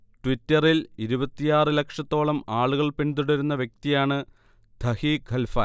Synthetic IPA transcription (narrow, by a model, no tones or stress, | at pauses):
ʈwitːɐriliɾubɐt̪ːijaːrɨlekʂɐt̪ːo̞ːɭɐmaːɭuɣɐɭpend̪uɽɐɾunːɐʋjɐk̚t̪ijaːɳɨ | d̪ʱɐhiɡʱɐlfɐ̰